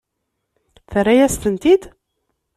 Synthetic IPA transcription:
θərːæjæst̪ənt̪id̪

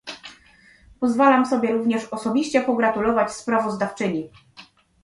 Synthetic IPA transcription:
pɔzvalamsɔbʲjɛɾuvɲɛʂɔsɔbʲiɕt͡ɕɛpɔɡɾat̪ulɔvat͡ɕspɾavɔzd̪aft͡ʂɘɲi

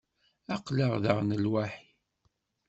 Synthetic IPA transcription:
æqləʁðəʁnəlwaħi

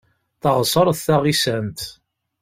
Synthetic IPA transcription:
θəʁsˤəɾˤθθæʁisænt̪

